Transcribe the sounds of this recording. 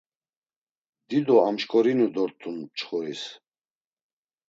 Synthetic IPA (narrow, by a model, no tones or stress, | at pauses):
d̪id̪ɔamʃkʼɔɾinud̪ɔɾt̪ʰunp̚t͡ʃʰχɔɾis